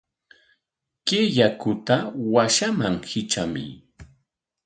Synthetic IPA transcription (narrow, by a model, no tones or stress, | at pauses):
keʎakʊt̪awaʃamaŋhɪt͡ʃamɪ̰